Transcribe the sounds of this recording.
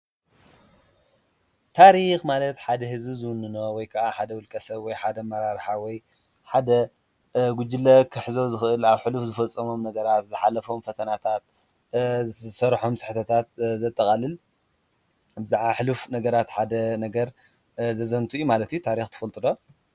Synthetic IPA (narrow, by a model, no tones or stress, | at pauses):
t̪ʰaɾixmalɐt̪ħad̪ɐhɨzbizɨwʊnːɨno̞wɔjkʰɐʔaħad̪ɐwʊlkʼɐsɐβwɔjħad̪ɐmɐɾaɾħawɔj | ħad̪ɐ | ɡʊd͡ʒɪlːɐkʰɨħzo̞zɨxɨʔɨlaβħɨlufzɨfɐt͡sʼːɐmo̞mnɐɡɐɾat̪zɨħalɐfo̞mfɐt̪ʰɐnat̪ʰat̪ | zɨsɐɾħomsɨħt̪ʰɐt̪ʰat̪̚zɐt̪ʼːɐkʼɐlɨl | bɨzaʕβaħɨlufnɐɡɐɾat̪ħad̪ɐnɐɡɐɾ | zɐzɐnt̪ʰujumalɐt̪jut̪ʰaɾixt̪ʰɨ̥fɐlt̪ʼɨd̪o